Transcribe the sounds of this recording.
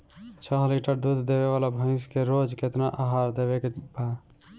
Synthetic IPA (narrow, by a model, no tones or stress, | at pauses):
t͡ʃʰɔɦliʈəɾd̪ud̪ʱd̪eβeβalabʱə̃ɪ̃skeɾod͡ʒket̪naʔaɦaɾd̪eβekebʱa